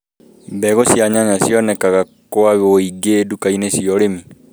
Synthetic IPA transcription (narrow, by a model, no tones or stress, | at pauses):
bɛɣosjaɲaɲasjɔnɛkaɣa | koaβeoiɡedukainesiɔɾemi